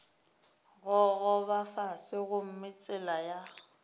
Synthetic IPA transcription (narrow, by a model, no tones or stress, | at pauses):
ɣɔɣʊβafasɪɣʊm̩mɪt͡sʼɪlaja